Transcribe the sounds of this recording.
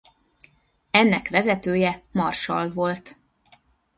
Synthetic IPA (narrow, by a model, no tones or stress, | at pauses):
ɛnːɛkʋɛzɛt̪øːjɛmɒrʃɒ̰lvo̞lt̪